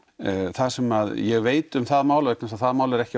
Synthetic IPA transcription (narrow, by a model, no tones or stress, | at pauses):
θasɛmaðjɛɣveːjt̪ʏmθaðmaːwlaveknasaðθaðmaːwlɛɾɛhcɪ